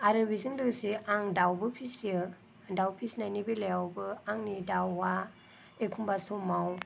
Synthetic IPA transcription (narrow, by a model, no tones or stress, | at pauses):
aɾɯbizɯŋdɯsiʔaŋdawbɯpʰisjɯ | dawpʰisnajnibɯlejawbɯaŋnidawːa | ekʰumbasomaw